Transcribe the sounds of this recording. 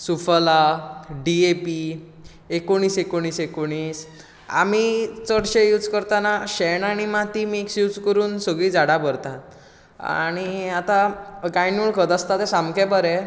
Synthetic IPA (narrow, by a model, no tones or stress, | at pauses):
sufəlaɖiepi | ekːoɽ̃iːsekoɽ̃iːsekoɽ̃iːs | a̰mit͡səɽɕejuːd͡zkəɾt̪anaɕɛɳaɽ̃imat̪imieksjuːd͡zkəɾuːnsəɡɭiːd͡zaɽabəɾt̪at̪̚ | a̰ɽ̃iat̪aɡajnuɭkəd̪ast̪at̪ɛsamkɛbəɾɛ